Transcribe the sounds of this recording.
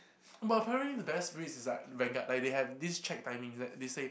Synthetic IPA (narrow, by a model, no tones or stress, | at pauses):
baəpʰɛɹə̃nʔlidəbɛsɹisɪslaɪt̚ɹɛ̃ŋɡalaɪk̚dehɛvdist͡ʃʰɛk̚d̥ãɪmĩŋdɛtdese